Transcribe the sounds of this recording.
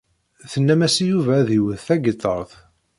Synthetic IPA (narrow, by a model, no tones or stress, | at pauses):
θənːæmæsijuvæðiwəðθæɡət̪ˤːə̰ɾˤθ